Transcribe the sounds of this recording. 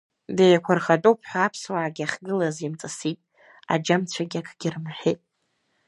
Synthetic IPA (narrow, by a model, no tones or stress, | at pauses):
dejakʷʰarχatʼowpʰħʷᶣaapʰswaʕaɡʲaχɡɨlazimt͡sʼasitʼ | a̰d͡ʒamt͡ɕʷʰaɡʲakʰɡʲɪrɨmħʷᶣitʼ